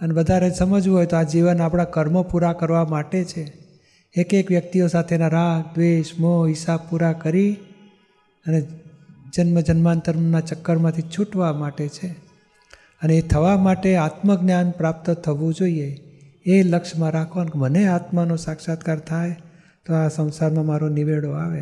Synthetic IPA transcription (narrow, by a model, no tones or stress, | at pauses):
ənebəd̪ʱaɾesəməd͡ʒʋũɦojt̪oad͡ʒiʋənapɽ̃akəɾmopuɾakəɾʋamaʈet͡ʃʰeː | kekʋjək̚t̪iosat̪ʰenaɾad̪ʋeʃmoɦɪsab̚puɾakəɾi | əned͡ʒənməd͡ʒənmant̪əɾmnat͡ʃəkːəɾmãt̪ʰit͡ʃʰuʈʋamaʈet͡ʃʰe | əneːt̪ʰəʋamaʈeat̪məɡ̚ɡnjanpɾap̚t̪ət̪ʰəʋũd͡ʒoie | eləkʃmãɾakʰʋankeməneat̪manũsakʃat̪kaɾt̪ʰaj | t̪oasə̃w̃saɾmãmaɾoniʋeɭoaʋe